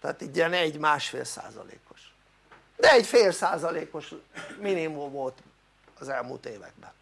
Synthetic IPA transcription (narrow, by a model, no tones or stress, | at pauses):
t̪a̰ːt̪iɟiɛnɛɟːmaːʃfḛːlsa̰ːzɒ̰lḛːko̞ʃ | d̪ɛɛɟfeːlsaːzɒleːko̞ʃminimumvo̞lt̪ | ɒzɛlmṵːlt̪eːvɛ̰ɡ̚bɛn